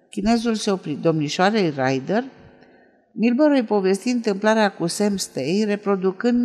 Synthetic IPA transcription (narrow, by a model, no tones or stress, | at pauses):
kʲine̞zulseo̞pɾid̪o̞mniʃoaɾejrajd̪er | milbəɾujpo̞ve̞st̪int̪ɨmplaɾeakuse̞mst̪ejre̞pɾo̞d̪ukɨnd̪